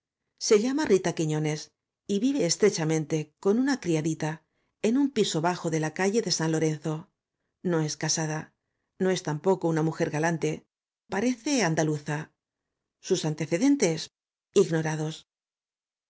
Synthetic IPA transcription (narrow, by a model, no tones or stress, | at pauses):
se̞ʎamarit̪akiɲo̞ne̞s | iβiβe̞ːst̪ɾe̞t͡ʃamẽ̞nt̪e̞ko̞nunakɾiaðit̪a | e̞numpiso̞βaxo̞ðe̞lakaʝe̞ðe̞sanlo̞ɾe̞n̟θo̞ | no̞e̞skasaða | no̞e̞st̪ampo̞kounamuxe̞ɾɣalant̪e̞ | paɾe̞θe̞and̪aluθa | susant̪e̞θe̞ðe̞nt̪e̞s | iɣno̞ɾaðo̞s